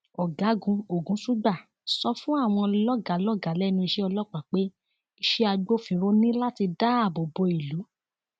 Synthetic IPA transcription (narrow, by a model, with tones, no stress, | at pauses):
ɔ˨ɡa˨˦ɡũ˧o˨ɡũ˨˦su˦ɡ͡ba˦˨ | sɔ˧fũ˦a˦˨w̃ɔ̃˧lɔ˦ɡa˨˦lɔ˦ɡa˨˦lɛ˦˨nũ˧i˧ʃe˦ɔ˧lɔ˦˨k͡pa˨k͡pe˦ | i˧ʃe˦a˧ɡ͡bo˦˨fĩ˧˦ɾo˦nĩ˦la˦ti˧da˦a˦˨bɔ˨bɔ˧i˨lu˨˦